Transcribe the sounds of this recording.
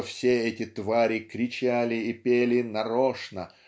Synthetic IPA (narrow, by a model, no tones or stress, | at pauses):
fsʲeɛtʲɪt̪vaɾʲɪkɾʲɪt͡ɕælʲɪːpʲelʲɪnɐɾoʂnə